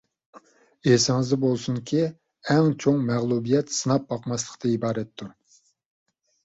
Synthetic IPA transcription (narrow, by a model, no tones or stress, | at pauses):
esɪŋɨzd̪ɛbolˠsuŋkʲʰi | ɛŋt͡ʃʰoŋmɛʁlˠubijɛt̪sɨnɑp̚bɑqmɑslˠəqt̪ʰɑibɑːɾɛt̪ʰːu